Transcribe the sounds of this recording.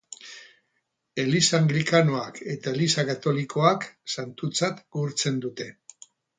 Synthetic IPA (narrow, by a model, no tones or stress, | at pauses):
e̞lisaːŋɡɾikanoake̞t̪ae̞lisakat̪o̞liko̞aksant̪ut͡sat̪ɡuɾt͡se̞nd̪ut̪e̞